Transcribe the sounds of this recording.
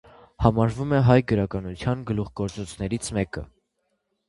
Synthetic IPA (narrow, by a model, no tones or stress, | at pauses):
hɑmɑɾvumɛɦɑjɡəɾɑkɑnut͡s̪ʰjɑnɡəluχɡɔɾt͡sɔt͡sʰnɛɾit͡sʰmɛkə̰